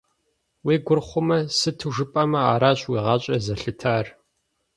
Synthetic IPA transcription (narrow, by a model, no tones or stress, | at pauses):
weːɡʷʊrχʷʊmɐsɨtʰɨʒɨpʼɐmɐa̰ːɾaːɕʼwiːʁɑːɕʼɐzɐɬɨtʰaːr